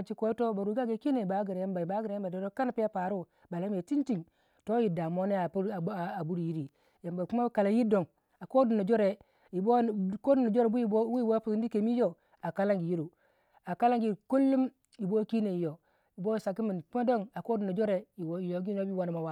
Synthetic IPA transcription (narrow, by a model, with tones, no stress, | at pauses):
t͡ʃi˦ko˦i˦to˦ba˨ɾu˨˦ɡa˦ɡe˨˦ki˦ne˨i˨ba˨˦ɡi˨ɾe˨ja˦mba˨i˨ba˦ɡi˨ɾe˨je˦mba˨do˨ɾo˦ka˦n˨pi˦a˦pa˨ɾu˦ | ba˨la˦m˦e˨ti˦nti˦ŋ | to˦ji˨da˨mo˦ne˦a˨pa˨bu˦ɾji˦ɾi˨ | ja˨mba˨ku˦ma˦ka˨la˨ji˦do˨ŋ | a˨ko˦du˨no˨d͡ʒo˦ɾe˨ | ji˨bo˦ko˦du˨no˨d͡ʒo˦ɾe˨˦bu˦ji˦u˦ji˦wo˦pi˨˦n˦di˦ke˨˦mi˦jo˦ | a˨ka˦la˦ŋɡi˨ji˦ɾu˨ | a˨ka˦la˦ŋɡi˨ku˦lːu˦m | ji˨bo˦ki˦ne˨ji˨jo˨ | i˨bo˦˨sa˨ki˦mi˨n˨kma˦do˦ŋa˨ko˦du˨no˨d͡ʒo˦ɾe˨ji˨wi˨jo˨˦ɡi˦n˦o˦bi˦wa˦n˨ma˨wa˦